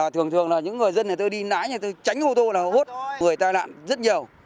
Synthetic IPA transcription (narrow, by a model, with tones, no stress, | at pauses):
a˨˩t̪ʰɨ˨˩əŋt̪ʰɨ˨˩əŋlaː˨˩ɲɨ̰˧˥ŋːɨ˨˩əjzə˧na˨˩t̪o˧jɗi˧naː˧˥jɲa˨˩t̪o˧jt͡ɕa˨˦jŋ̟ʔo˧t̪o˧laː˨˩ʔho˦˥t̚ŋɨ˨˩əjt̪aː˧jla̰ː˧˨nzə˦˥t̚ɲi˨˩əw